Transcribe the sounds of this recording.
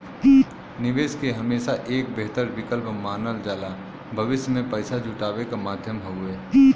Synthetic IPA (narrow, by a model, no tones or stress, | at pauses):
nɪʋeːskeɦɐmeːsaʔeːk̚beɦt̪əɾʋɪkəlpmaːnəld͡ʒaːla | bʱəʋɪʃjəmẽpəɪsad͡ʒʱʊʈaːʋekamaːd̪ʱjəmɦoeː